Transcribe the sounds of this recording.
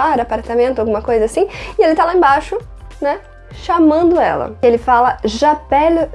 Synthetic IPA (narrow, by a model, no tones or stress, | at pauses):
aɾapaɾt̪amẽnt̪ʊawɡũmɐkojzɐasĩɪelɪt̪alaẽbaʃʊ | nɛ | ʃamɐ̃nd̪ʊɛ̰lɐ̰ɪelɪfalɐʒapɛl